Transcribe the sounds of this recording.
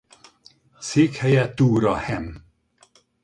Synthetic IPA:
seːkhɛjɛt̪uːɾɒhɛm

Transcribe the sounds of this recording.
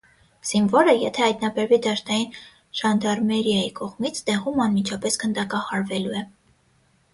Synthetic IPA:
z̥invɔɾəjɛt̪ʰɛhɑjt̪nɑbɛɾvid̪ɑʃnɑjin | ʒ̥ɑnd̪ɑɾmɛɾjɑjikɔʁmit͡sʰd̪ɛʁumɑnmit͡ʃʰɑpɛskənd̪ɑkɑχɑɾvɛluɛ

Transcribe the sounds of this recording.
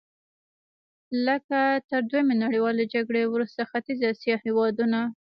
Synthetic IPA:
ləkat̪əɾd̪wojmenaɽijwɑled͡ʒaɡɽewɾust̪axat̪izɑsjɑhewɑd̪una

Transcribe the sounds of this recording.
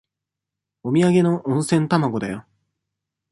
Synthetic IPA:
omʲiaɡe̞no̞ʔõɰ̃sẽ̞nt̪amaɡo̞d̪ajo

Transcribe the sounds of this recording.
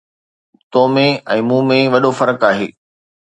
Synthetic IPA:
t̪oːmẽɛ̃ːmũːmẽʋɐɗofɐɾəkaːɦeː

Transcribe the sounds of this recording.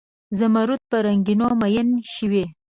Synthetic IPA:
zamaɾut̪̚pəɾaŋɡinomajənʃiwe

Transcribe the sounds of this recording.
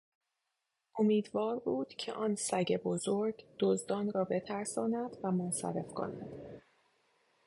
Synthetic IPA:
ʔomiːd̪vɒːɾbuːd̪̥cʰḛʔɒːnsæɟe̞bozoɾɡd̪̥ozd̪ɒːnɾɒːbe̞t̪ʰæɾsɒːnæd̪̥væmonsæ̰ɾe̞fkʰo̞̰næ̰d̪̥

